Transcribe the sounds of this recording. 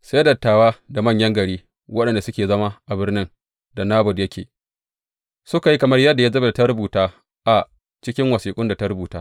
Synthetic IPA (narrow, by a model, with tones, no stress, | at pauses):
saː˦dɐ˨tːaː˨waː˦da˨mɐ˦˨ɲjɐ˦ŋɡɐ˨ɽiː˦ | wɐ˦ɗɐ˨nda˨sʊ˦kʲeː˨zɐ˦ma˦ʔa˨bɪ˦rnɪ˦n | da˨naː˦bʊ˨djɐ˦kʲʰeː˨ | sʊ˦ka˨ji˦kɐ˨mɐ˦rjɐ˦dːa˨ja˦zɐ˦ba˨da˨ta˦ɾʊ˦buː˨taː˦ | ʔa˨ | t͡ʃɪ˦kʲɪ˦ŋwɐ˨siː˨kʼʊ˦nda˨ta˦ɾʊ˦buː˨taː˦